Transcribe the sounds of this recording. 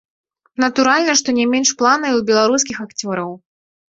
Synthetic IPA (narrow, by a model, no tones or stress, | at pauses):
nɐt̪uɾalʲnɐʂt̪ɔnʲɛmʲenʂplˠanɐjubʲɛlˠaɾus̬kʲixakt͡sʲɔɾɐw